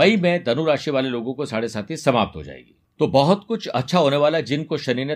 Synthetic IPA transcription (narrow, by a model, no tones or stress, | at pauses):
ɐimẽd̪ɐnuɾaːʃiʋaːleloːɡõkosaːɽesaːt̪ʰisɐmaːp̚t̪ɦo̰d͡ʒa̰ːḛːɡḭːt̪oːbɐɦʊt̪kʊt͡ʃʰɐtːʃʰaɦoːneʋaːlad͡ʒɪnkoʃɐniːɾne